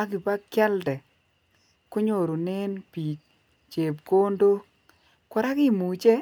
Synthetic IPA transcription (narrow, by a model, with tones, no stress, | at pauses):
a˦kɪ˨ba˦kja˦ldɛ˨ | kʊ˦ɲo˨ɾu˨ne˦npi˨t͡ʃ | t͡ʃe˨p̚ɡo˦ndo˦ | kɔ˨ɾa˦kɪ˦mu˨t͡ʃe˦